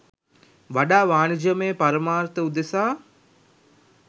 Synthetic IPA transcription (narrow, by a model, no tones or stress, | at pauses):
ʋaɖaːʋaːnid͡ʒəmeːpaɾəmaːɾt̪əud̪esaː